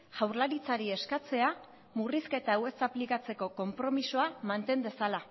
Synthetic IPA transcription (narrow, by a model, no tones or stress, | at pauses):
ʝawɾlaɾit͡saɾie̞skat͡se̞a | muriske̞t̪awe̞saplikat͡se̞ko̞ko̞mpɾo̞miso̞amant̪e̞nd̪e̞sala